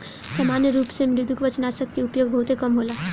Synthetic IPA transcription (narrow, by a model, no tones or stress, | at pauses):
samanjəɾuːpsemɾɪd̪ʱukʋət͡ʃnasəkːeupjoɡ̚bʱəɦut̪ekəmɦola